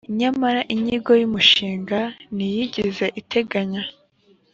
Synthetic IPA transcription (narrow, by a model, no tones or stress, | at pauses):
iɲamaɾaʔiɲiɡo̞jumuʃiːŋɡanijiɟize̞ʔitʰe̞ɡaɲa